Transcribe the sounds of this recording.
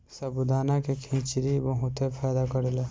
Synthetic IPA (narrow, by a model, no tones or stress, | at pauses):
səbud̪ʱanakekʰĩt͡ʃɾibəɦũt̪epʰɛd̪akəɾlɛ